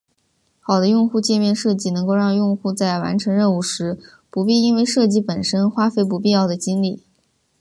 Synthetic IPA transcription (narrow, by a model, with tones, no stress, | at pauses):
xɑ˨˩ʊd̪ə˦jʊ˥˧ŋxu˥˧t͡ɕjɛ˥˧mjɛ˥˧nʂɤ˥˧t͡ɕi˥˩nɤ˧˥ŋko˥˧ʊɻɑ˥˧ŋjʊ˥˧ŋxu˥˧t͡sa˥˩ɪwa̰˧˥nʈ͡ʂʰɤ˧˥ŋɻə˥˧nu˥˩ʂɻ̩˧˥ | pu˧˥pi˥˧i˥nwe˥˧ɪʂɤ˥˧t͡ɕi˥˩pə˨˩nʂə˥nxwa˥fe˧˥ɪp̬u˧˥pi˥˧jɑ˥˩ʊd̪ə˩t͡ɕi˥nli˥˩